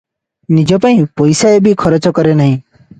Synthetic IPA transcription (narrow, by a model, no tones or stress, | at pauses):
nid͡ʒɔpaĩpɔjsaebikʰɔɾɔt͡ʃɔkɔɾenaɦĩ